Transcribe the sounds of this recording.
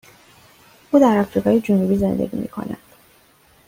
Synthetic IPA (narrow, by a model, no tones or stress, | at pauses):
ʔuːd̪æɾɒfɾiːɡɒːjed͡ʒonubiːze̞̰nd̪ḛɟḭmʔḭːkʰo̞̰næ̰nd̪̥